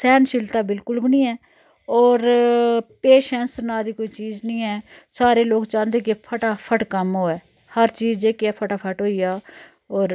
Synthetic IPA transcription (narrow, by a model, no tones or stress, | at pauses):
sɛːnʃɪlt̪aːbɪlkʊlbnĩːɛː | ɔːɾ | peːʃɛnsnaːd̪iːkoːiːt͡ʃiːznĩːɛːsaːɾeːloːɡt͡ʃãːnd̪eːkɪpʰəʈaːpʰəʈkəmɦoːɛː | həɾt͡ʃiːzeːkɪɛːpʰəʈaːpʰəʈɦoːiːjaː | ɔːɾ